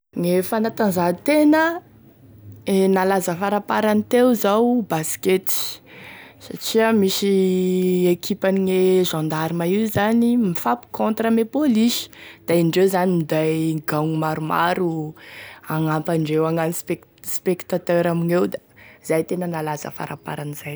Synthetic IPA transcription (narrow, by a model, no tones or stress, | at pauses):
ŋefanat̪anzat̪enə | enalazəfaɾapaɾanit̪ewzawbasi̥ket̪i̥ | sa̰ʈ͡ʂiəmisi | ekʰipaniŋeʒãnd̪aɾimaizanimifapi̥kõnt̪rəmepolisi̥d̪̥aiɳɖ͡ʐewzanimid̪ajɡaŋumaɾuma̰ɾu | aŋampaɳɖ͡ʐewaŋanispekspekt̪at̪øɾaminewd̪az̥ajt̪enənalazə̰fa̰ɾa̰pa̰ɾaniz̥aj